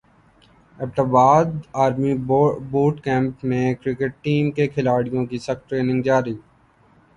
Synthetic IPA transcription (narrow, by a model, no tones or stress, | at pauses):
ɛːp̚ʈaːbaːd̪aːɾmiboːʈkɛ̃ːmpmẽkɾɪkeʈ̚ʈiːmkekʰɪlaːɽijõkisɐxʈɾeːnɪ̃ŋɡd͡ʒaːɾiː